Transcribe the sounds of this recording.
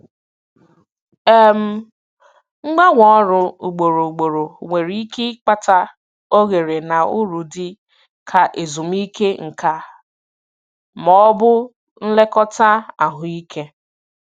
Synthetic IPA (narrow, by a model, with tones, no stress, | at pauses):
e˦m̩˦ | ŋ͡m̩˦ɡ͡ba˦ŋʷɔ˦ɾʊ˨u˨ɡ͡bo˨ɾo˨ɡ͡bo˨ɾo˨ŋʷe˨ɾi˦i˦ki˦k͡pa˦ta˦ | o˦ɣe˨ɾe˨na˨ʊ˦ɾu˨dɪ˦ | kʰa˨ʔe˨zu˨m̩˦i˦ke˦ŋ̩˨ka˨ | mɔ˦bʊ˦ | n̩˦le˦kɔ˦ta˦a˨ɦʊ˨i˦kʰe˦